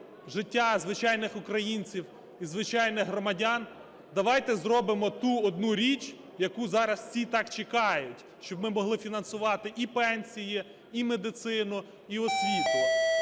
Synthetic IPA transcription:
ʒɪtʲːazʋɪt͡ʃɑjnɪxʊkɾɐjinʲt͡sʲiw | izʋɪt͡ʃɑjnɪxɦrɔmɐdʲɑn | d̪ɐʋɑjt̪ɛzrɔbɪmɔt̪uɔd̪nuɾʲit͡ʃ | jɐkuzɑɾɐssʲit̪ɑkt͡ʃekɑjʊtʲ | ʃt͡ʃɔbmɪmɔɦlˠɪfʲinɐnsʊʋɑt̪ɪʔipɛnʲsʲiji | imed̪ɪt̪sɪnʊ | iɔsʲʋʲit̪ʊ

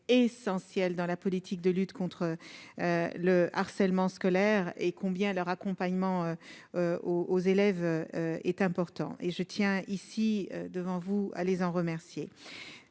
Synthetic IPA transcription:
esɑ̃sjɛld̪ɑ̃lapɔlit̪ʰik̚d̪əlyt̪kɔ̃t̪χəøləaʁsɛlmɑ̃skɔlɛʁekʰɔ̃bjɛ̃lœʁakɔ̃paɲmɑ̃øøoozelɛvøøɛt̪ɛ̃pɔʁt̪ɑ̰̃ʔeʒət̪jɛ̃isiø̰d̪əvɑ̃vua̰lezɑ̃ʁəmɛʁsje

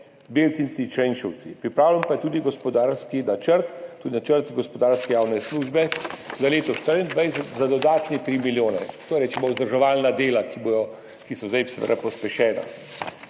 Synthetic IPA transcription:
beːlt̪insit͡ʃɾɛjnʃɔwt̪sipɾipɾaːwlampajɛt̪uːd̪iɡɔspɔd̪aːɾskinat͡ʃəɾt̪t̪ːuːd̪inat͡ʃəɾt̪ɡɔspɔd̪aːɾskɛjaːwnɛsluːʒbɛzaleːt̪ɔʃt̪əɾind̪ʋajsɛt̪zad̪ɔd̪aːt̪nɛt̪ɾiːmiljoːnɛt̪oɾɛːt͡ʃɛmɔuzd̪ɾʒɔʋaːlnad̪eːlakibojɔ | kisɔzd̪ajsʋə̰ɾapɔspɛʃɛːna̰

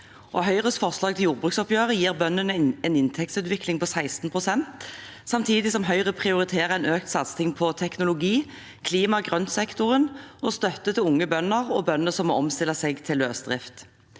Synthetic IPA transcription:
ʔɔɦœʏʁəsfɔʁslɑːɡ̚t̪ʰɪljuːʁbʁʉːksɔpjøːʁəjiːʁbœnːənəɛnɪnt̪ʰɛk̚t̪sʉːt̪ʋɪklɪŋpɔsæɪst̪n̩pʰʁʊsɛnt̪ | sɑmt̪ʰiːd̪ɪsɔmɦœʏʁəpʰʁɪʊʁɪt̪ʰeːʁəæɛnøːk̚t̪sɑt̪st̪ʰɪŋpʰɔt̪ʰɛknʊlʊɡiː | kʰliːmɑɡʁœnsɛkt̪ʊʁənɔst̪œt̪ːət̪ɪlʊŋːəbœnːəʁɔbœnːəsɔmːo̰ːɔmst̪ɪlːɑsɛɡt̪ʰɪløːsd̪ʁɪft̪

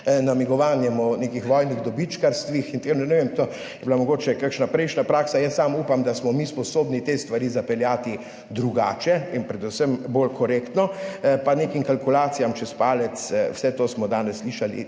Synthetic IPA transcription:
namiɡɔʋaːnjɛmɔneːkixʋɔjniɣd̪ɔbit͡ʃkaɾst̪ʋixint̪enɛnɛʋemt̪o | jɛblamɔɡoːt͡ʃɛkakʃnapɾɛɪʃnapɾaːksajəsːamuːpamd̪asmɔmispɔsoːbnit̪est̪ʋaɾiːzapɛljaːt̪i | d̪ɾuɡaːt͡ʃɛinpɾɛd̪usəmboːlkʰɔɾeːkt̪nɔpaneːkimkalkulaːt̪sijamt͡ʃɛspaːlɛt̪swsɛt̪oːsmɔd̪aːnɛsːliːʃalḭ

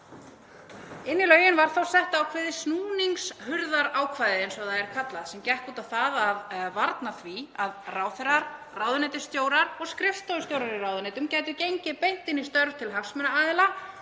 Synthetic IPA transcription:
ɪnːɪlœːɥjɪnvaɾ̥θawsɛht̪aːwkʰvɛːðɪsnuːniŋkshʏɾðaɾaːwkʰvajðɪejnsɔaðaɛɾ̥kʰat̪laðsɛmcɛhkuːt̪awθaðaðvaɾt̪naθviaðraːwθɛɾaɾ | raːwðʏnɛt̪ɪ̥st̪joːwɾaɾɔɣskɾɪfst̪owst̪jowɾaɾiraːwðʏneːjt̪ʏmcaːjt̪̬ʏcejɲcɪpejn̥t̪ɪnist̪œɾv̥t̪ʰɪlɦafsmɛnaaːðɪla

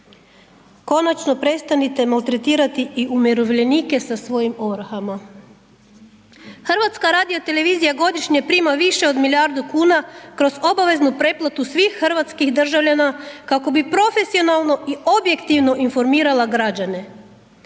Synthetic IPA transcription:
ko̞nat͡ʃno̞pɾe̞t̪st̪anit̪e̞malˠt̪ɾe̞t̪iːɾat̪iʔiʔumjeɾoʋʎe̞niːke̞sasʋo̞jimo̞ʋɾxama | xr̩ʋat̪skaɾaːd̪io̞t̪e̞le̞ʋiːzijaɡo̞d̪iʃɲe̞pɾiːmaʋiʃe̞od̪milʲjaɾd̪ukuːnakɾo̞zo̞baʋe̞znupɾe̞plˠat̪usʋiːxxr̩ʋat̪skixd̪r̩ʒaʋʎanakako̞bipɾo̞fe̞sio̞nalˠno̞ʔio̞bje̞kt̪iʋno̞ʔinfo̞ɾmiːɾalˠaɡɾad͡ʑane̞

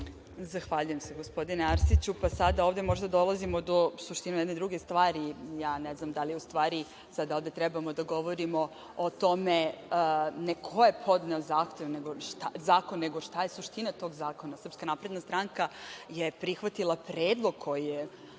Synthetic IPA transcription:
zaxʋaʎujemseɡo̞spo̞d̪ineaɾsit͡ɕupasad̪aoʋvd̪emo̞ʒd̪ad̪o̞lˠazimod̪o̞suʃt̪inujɛd̪ned̪ɾuɡe̞st̪ʋaːɾijaːnɛznamd̪alijɛust̪ʋaːɾi | sad̪aovd̪e̞t̪ɾɛbamo̞d̪aɡo̞ʋo̞ɾimo̞ | ot̪o̞me | nekʰo̞je̞pʰo̞d̪neozaːxt̪e̞ʋneɡoʃt̪azaːkonːeɡo̞ʂt̪ajesuʃt̪inat̪o̞ɡzaːko̞nasr̩pskanapɾe̞d̪nast̪ɾaŋkajepɾixʋat̪ilˠapɾeːd̪lˠo̞ɡ̚kʰo̞jije

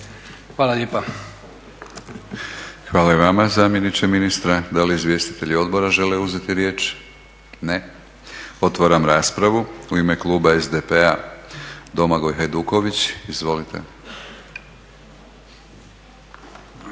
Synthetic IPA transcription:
xʋaːlalʲʎeːpa | xʋaːlaeʋamazaːmjenit͡ʃ̪eminist̪ɾad̪aliːzʋje̞st̪i̥t̪e̞ʎio̞d̪bo̞ɾaʒe̞le̞uze̞t̪iɾje̞ːt͡ʃ | ne | o̞t̪ʋaɾamɾaːspɾaʋuuime̞klˠuːbaezd̪epea | d̪o̞maɡo̞jɦajd̪uːko̞ʋit͡ɕizʋo̞lit̪e̞̰

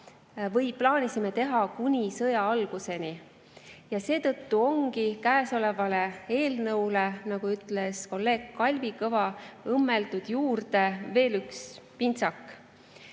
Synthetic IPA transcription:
vɤjplɑːnʲisime̞t̪e̞ɦɑkunʲisɤjɑɑlɡ̥use̞ni | jɑse̞ːt̪ɤ̞t̪ːuo̞ŋɡikæːeso̞le̞vɑle̞e̞ːlnɤwle̞nɑɡ̥uyt̪le̞sko̞lːe̞ːɡ̥̚kːɑlʲvikɤvɑɤmːe̞ld̪̥ud̪̥juːrd̪̥e̞ve̞ːlykspint̪sɑkː

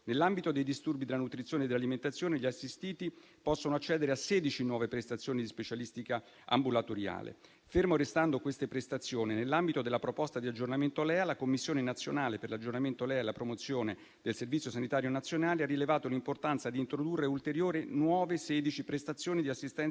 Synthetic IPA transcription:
nelːambit̪od̪ejd̪ist̪urbid̪elanut̪ɾit̪sjoːned̪ːelːaliment̪at̪sːjoːneʎiasːist̪iːt̪i | pɔsːonoat͡ʃːɛːd̪eɾeasːɛːd̪it͡ʃinwɔːvepɾest̪at̪sːjoːnid̪ispet͡ʃalist̪ika | ʔa̰mbulat̪oɾja̰ːlḛ | fermoɾest̪and̪okwest̪epɾest̪at̪sːjoːninelːambit̪od̪elːapɾopɔst̪ad̪iad͡ʒːornament̪olɛːalakomːisːjoːnenat̪sːjonaːleperlad͡ʒornament̪olɛːelapɾomot̪sːjoːne | d̪̥elservit̪sːjosanit̪aːɾjonat̪sːjonaːlearːilevaːt̪olimport̪ant̪sad̪iːnt̪ɾod̪urːeult̪eɾjoːɾenwɔːvesɛːd̪it͡ʃipɾest̪at̪sːjoːnid̪iasːist̪ɛn

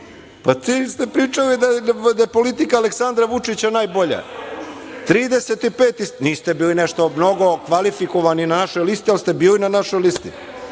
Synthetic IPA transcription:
pat̪iist̪epɾiːt͡ʂalid̪ad̪ajepo̞lit̪ikaːleksand̪ɾaʋut͡ʂit͡ɕanaːjboʎa̰j | t̪ɾiːd̪eset̪ipeːt̪isniːst̪ebiːlineʂt̪omno̞ɡo̞kʋalifikoʋaninanaʃojlist̪ialˠist̪e̞biːlinanaʃojlist̪ḭ

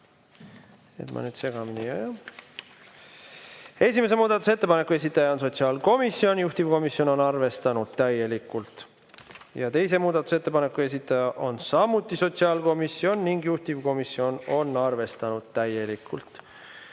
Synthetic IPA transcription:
e̞̰t̪mʔɑ̰nyːd̪̥se̞ɡ̥ɑminijæjɑ | e̞sʲime̞s̬e̞muːd̪̥ɑt̪use̞t̪ːe̞pɑne̞kːˑues̬ʲit̪ːˑɑjɑo̞ns̬o̞t̪siɑːlko̞misːio̞njuht̪ivko̞misjo̞no̞nɑrve̞st̪ɑnud̪̥̚t̪æje̞likːˑult̪ | jɑt̪e̞js̬e̞muːd̪ɑt̪u̥se̞t̪ːe̞pɑne̞kːˑue̞s̬it̪ːˑɑjɑʔo̞nsɑmut̪ˑːiso̞t̪ʲsiɑːlko̞misːio̞nːiŋɡjuht̪ivko̞misio̞no̞nɑrve̞st̪ɑnud̪̥̚t̪æje̞likːˑult̪

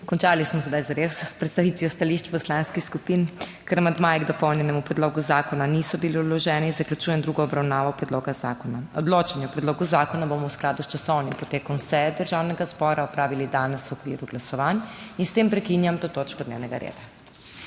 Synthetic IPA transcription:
kɔnt͡ʃaːlismɔsɛd̪ajzaɾesːpɾɛt̪t̪aʋit̪ʋiɔst̪aliʃt͡ʃpɔslanskixskupinkəɾmad̪majɛɡd̪ɔpɔwnjɛnɛmupɾɛd̪loːɡuzaːkɔnanisɔbiliɔd̪lɔʒɛniinzɐklʲut͡ʃuːjɛnd̪ɾuːɡɔːbɾawnaːʋawpɾɛd̪loːɡazaːkɔnaɔd̪loːt͡ʃanjɛɔpɾɛd̪loːɡuzaːkɔnabomɔwsklaːd̪ust͡ʃasɔwnimpɔt̪eːkɔmsɛjd̪əɾʒaːwnɛɡazbɔɾaɔpɾaːʋilid̪aːnɛswɔkʋiɾuɡlasɔʋaninst̪empɾɛkinjamt̪oːt̪oːt͡ʃkɔd̪nḛwnɛɡaɾḛːd̪a

